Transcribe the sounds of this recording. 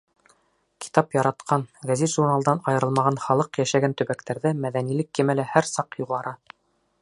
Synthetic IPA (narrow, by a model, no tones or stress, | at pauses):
kʰi̥t̪ɑpjɑɾɑt̪qɑnɡæzit̪ʒurnalˠd̪ɑnɑjɤ̆ɾɤlˠmɑʁɑnχɑlˠɤqjæʃæɡænt̪ɵ̆βækt̪æɾðɘmæðænilɘkːɘ̆mælæhæɾsɑqjuʁɑɾɑ